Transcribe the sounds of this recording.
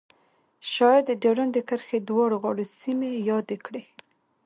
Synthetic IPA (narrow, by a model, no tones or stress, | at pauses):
ʃɑjɑd̪ːədeɽand̪əkəɾxed̪wɑɽoɣɑɽosimejɑd̪ekɽe